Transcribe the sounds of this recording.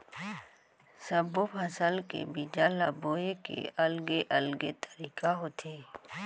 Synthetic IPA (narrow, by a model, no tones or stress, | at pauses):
səbopʰɐsəlkḛbid͡ʒalaboːekḛʔɐlɡeʔɐlɡet̪ʰə̥ɾiːkaɦoːt̪ʰeː